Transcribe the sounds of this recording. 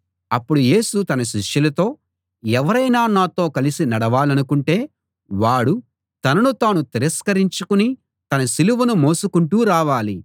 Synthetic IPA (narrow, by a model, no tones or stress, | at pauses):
ɐpːuɽuje̞ːsut̪ɐnɐʃ̬iʂjulɐt̪o̞ː | ɛʋɐɾɐjnaːnaːt̪o̞ːkɐlisinɐɽɐʋaːlɐnukuɳʈe̞ː | ʋaːɽu | t̪ɐnɐnut̪aːnut̪iɾɐskɐɾiɲt͡ʃukuni | t̪ɐnɐsiluʋunumo̞ːsukuɳʈuːɾaːʋaːli